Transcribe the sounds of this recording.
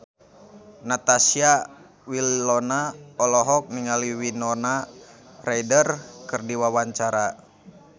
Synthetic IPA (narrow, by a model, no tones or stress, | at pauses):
nat̪asia | wilːɔnaɔlɔɦɔk̚niŋaliwinɔna | rajdərkɨrdiwawaɲt͡ʃaɾa